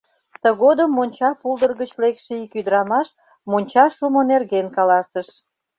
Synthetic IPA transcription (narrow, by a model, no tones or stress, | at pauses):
t̪əɣod̪əmːonʲt͡ɕɑpulˠd̪ərɣət͡ɕlekʃeikyd̪əɾɑmɑʃ | monʲt͡ɕɑʃumonerɣenkɑlɑsəʃ